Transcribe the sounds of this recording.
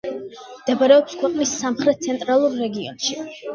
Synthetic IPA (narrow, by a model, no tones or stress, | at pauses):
md̪̥ɛbaɾɛɔpskʰwɛqʼnisːamχɾɛt̪̚t̪sʰɛnt̪ʼɾalˠuɾːɛɡiɔ̰nʃi